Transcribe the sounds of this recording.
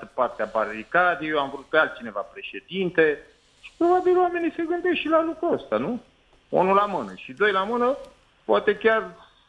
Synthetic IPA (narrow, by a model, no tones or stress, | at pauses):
t̪əpart̪eabarikad̪ejowamvɾut̪̚pealt͡ʃine̞vapɾe̞ʃe̞d̪int̪e̞ | ʃi̥pɾo̞babilwame̞nise̞ɡɨnd̪esʃilalukɾuəst̪anu | onulamɨnəʃid̪o̞jlamɨnə | poat̪e̞kʲar